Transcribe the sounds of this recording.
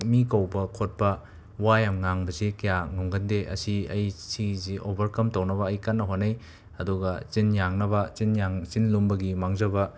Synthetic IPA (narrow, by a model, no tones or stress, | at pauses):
mikɐwbɐkʰot̚pɐ | wajamŋaŋbɐsikɐjaŋuŋɡɐndeʔɐ̰siɐ̰jsiziʔobʱɐɾkɐmtɐwnɐbɐːjkanːɐɦonːɐj | ɐduɡɐt͡ʃinjaŋnɐbɐt͡ʃinjaŋt͡ʃinlumbɐɡimaŋzɐbɐ